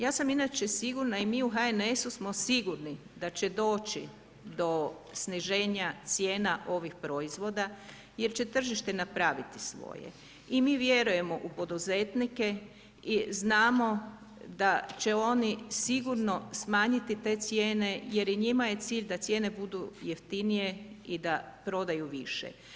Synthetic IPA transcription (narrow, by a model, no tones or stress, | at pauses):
jaːsaminat͡ʃesiɡuɾnaimiːuɦaenesusmo̞siɡuɾni | d̪at͡ɕe̞d̪o̞ːt͡ʃḭ | d̪o̞ | sniʒe̞ːɲat̪sje̞ːnaʔo̞ʋixpɾo̞izʋo̞ːd̪a | je̞ɾt͡ɕe̞t̪r̩ʒiʃt̪enapɾaːʋit̪i̥sʋo̰jḛ | imiːʋje̞ɾuje̞mo̞ʔupo̞d̪uze̞t̪nike̞ | iznaːmo̞ | d̪at͡ɕe̞o̞nisiɡuɾno̞smaːɲit̪it̪e̞t̪sje̞ːne̞je̞ɾiɲimaje̞t̪siːʎd̪at̪sʲje̞ːne̞bud̪ujeft̪inije̞id̪apɾo̞d̪ajuʋiʃḛ